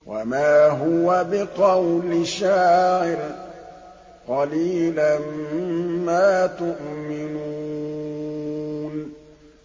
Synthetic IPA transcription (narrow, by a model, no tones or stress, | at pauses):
wʔa̰maːɦʊwabɪqɑwlɪʃaːʔɪɾ | qɑliːlan | maːt̪ʊʔmɪnu | n